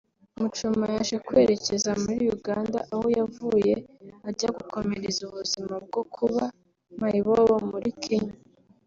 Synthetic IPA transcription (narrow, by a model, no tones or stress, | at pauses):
umut͡ʃumajaːʃekwe̞ːɾe̞ce̞zamuɾijuɡaːnda̰ʔahojavuje̞aɟaɡuko̞meɾezuβuzimab̚ɡo̞kʰuβa | maiβowomuɾikʰiɲa